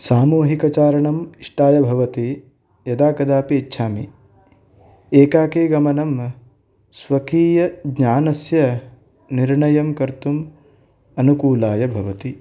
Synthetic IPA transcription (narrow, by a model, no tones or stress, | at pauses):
saːmuːɦikɐt͡ʃaːɾɐɳɐmiʂʈaːjɐbʱɐʋɐt̪i | jɐd̪aːkɐd̪aːpeːtːʃʰaːmi | eːkaːkeːɡɐmɐnɐm | sʋɐkiːjɐɡɲaːnɐsjɐ | niɾɳɐjɐmkɐɾt̪um | ɐnukuːlaːjɐbʱɐʋɐt̪i